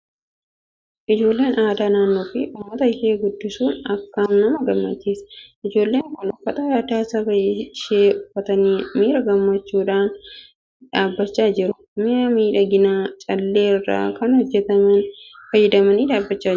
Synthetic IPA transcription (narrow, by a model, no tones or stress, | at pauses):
ʔɪd͡ʒo̞ːlːe̞ːnaːd̪aːnaːnːoːfɪʔʊmːɐt̪ɐɪʃeːɡʊd̪ːɪsuːnɐkːɐnnɐmɐɡɐmːɐ̰t͡ʃːeːsʔɪd͡ʒo̞ːlːeːŋkɔlɐfːɐt̪ʼɐjaːd̪aːsɐbɐɛʃeːʊfːɐt̪ɐniːmiːɾɐɡɐmːɐt͡ʃːuːᶑaːn | ᶑaːbːɐt͡ʃːaːd͡ʒɪɾʊ | miːɾɐmiːᶑɐɡɪnaːt͡ʃʼɐlːe̞ːrːa̰ːkɐnhɔd͡ʒːɛt̪ɐmɐnfɐjɛd̪ɐmɐniːd̪aːbːɐt͡ʃːaː